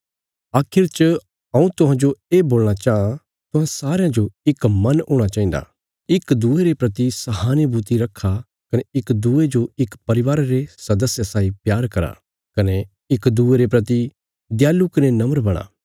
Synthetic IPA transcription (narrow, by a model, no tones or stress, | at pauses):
aːkʰɪɾt͡ʃə | ɐ̃ũt̪ʊɦãd͡ʒoeːboːlɽ̃at͡ʃaːã | t̪ʊɦãsaːɾejãd͡ʒoɪkmɐnoːɽ̃at͡ʃaːĩːnd̪a̰ | ɪkd̪uːeɾepɾɐt̪isɐɦaːnibuːt̪iɾɐkʰːa | kɐneɪkd̪uːed͡ʒoɪkpɐɾɪʋaːɾaɾesɐd̪əsjasaːipjaːɾkɐɾa̰ː | kɐne | ɪkd̪uːeɾepɾɐt̪i | d̪jaːlːukɐnenɐ̃məɾbɐɽ̃a̰ː